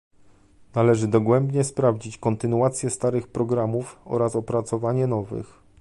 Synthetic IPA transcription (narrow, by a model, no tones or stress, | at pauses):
nalɛʐɘd̪ɔɡwɛmbɲɛspɾavd͡ʑit͡ɕkɔnt̪ɘnuat̪sʲjɛst̪aɾɘxpɾɔɡɾamufɔ̰ɾasɔpɾat̪sɔvaɲɛnɔvɘ̰x